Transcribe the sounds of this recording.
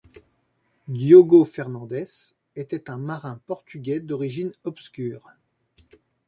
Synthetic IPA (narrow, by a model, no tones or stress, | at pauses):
d̪joɡofɛʁnɑ̃d̪ɛs | et̪ɛt̪ɛ̃maʁɛ̃pɔʁt̪yɡʲɛd̪ɔʁiʒinɔpskʲyːʁ